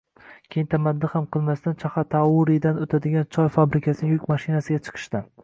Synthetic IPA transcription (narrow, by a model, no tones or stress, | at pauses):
kʲʰejɪnt̪ʰamad̪ːɪhamqʰɨlˠmast̪ant͡ʃʰaχɑt̪ʰaʊɾid̪anot̪ʰad̪ɪɡʲant͡ʃʰɒjfabɾɪkʲʰasɪnɪŋjʊkʲmaʃɪnasɪɡʲat͡ʃʰɨ̥qʰɨ̥ʃt̪an